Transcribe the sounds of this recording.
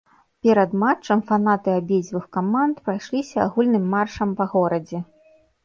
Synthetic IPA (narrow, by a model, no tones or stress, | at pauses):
pʲɛɾɐd̪mat͡ʂːɐmfan̪at̪ɨabʲed͡zʲvɨxkamant̪pɾajʂlʲisʲɐa̰ɣulʲnɨmːarʂɐmpɐɣɔɾɐd͡zʲɛ